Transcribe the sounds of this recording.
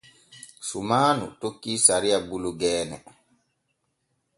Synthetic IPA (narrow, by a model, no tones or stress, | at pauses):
sumaːnṵtokːisaɾiabuluɡɛːnɛ̰